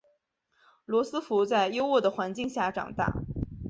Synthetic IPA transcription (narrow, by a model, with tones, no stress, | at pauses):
lwɔ˧˥sɹ̩˥fu˧˥t͡sa˥˧ɪjo˥ʊwɔ˥˩d̪ə˩xwa˧˥nt͡ɕi˥˧ŋɕja˥˩ʈ͡ʂɑ̰˨˩ŋt̪a̰˥˩